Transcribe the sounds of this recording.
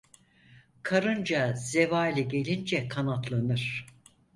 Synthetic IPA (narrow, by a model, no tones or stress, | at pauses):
kʰaɾɯnd͡ʒaz̥e̞vaːlʲiɟe̞lʲind͡ʒɛkʰanat̪lˠanɯɾ̥